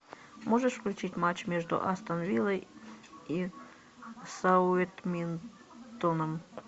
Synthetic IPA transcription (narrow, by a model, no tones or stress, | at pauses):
moʐəʂfklʲʉt͡ɕitʲmat͡ɕːmʲeʐd̪ʊ̰ʔast̪ɐnvʲilˠəji | sɐʊet̪mʲin | t̪onəm